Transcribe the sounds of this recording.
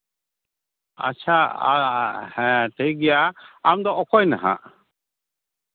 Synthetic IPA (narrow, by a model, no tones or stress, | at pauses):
a̰t͡ʃʰaahɛ̃ʈejɡɛjaːmd̪ɔʔɔkɔjnaɦã̰ʔ